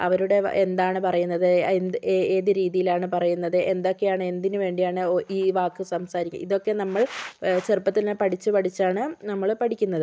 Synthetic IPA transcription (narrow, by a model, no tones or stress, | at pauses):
ɐ̰ʋɐɾuɽe̞end̪aːɳɨpɐrɐjunːɐðɨend̪eːðɨɾiːðijilaːɳɨpɐrɐjunːɐðɨʔe̞nd̪o̞kːe̞jaːɳɨe̞nd̪inɨʋe̞ːɳɖijaːɳɨiːʋaːkːɨsɐmsaːɾikʲːṵmiðo̞kːe̞nɐmːɐɭt͡ɕerpːɐt̪ːilnepɐʈit͡ɕːɨpɐʈʰit͡ɕːaːɳɨnɐmːɐɭpɐʈʰikʲːunːɐðɨ